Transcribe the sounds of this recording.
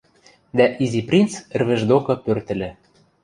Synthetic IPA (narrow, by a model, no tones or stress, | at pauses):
d̪æʔiziprʲint͡sɘ̆rβɘ̆ʒd̪okɤ̆pørt̪ɘ̆lɘ̆